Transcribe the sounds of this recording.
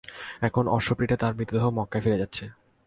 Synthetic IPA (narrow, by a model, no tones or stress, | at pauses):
ɛkʰonɔɾʃopɾiʈat̪aɾbɾit̪ːod̪oɦomɔkːafiɾed͡ʑatːɕʰe